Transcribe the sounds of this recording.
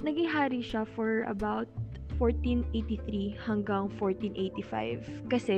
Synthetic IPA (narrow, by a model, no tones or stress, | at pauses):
nɐɡiɦaːɾiʃafɔɹʔɐ̰bawt̪̚foɹt̪inʔejt̪iθɾihɐŋɡɐŋfoɹt̪ĩnʔejt̪ifa̰jvkɐsɛ